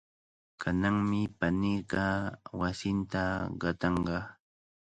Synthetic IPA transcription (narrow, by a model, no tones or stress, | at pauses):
kʰanaŋmɪpaniɢɑwasɪnt̪aɢɑt̪ɑɴɢɑ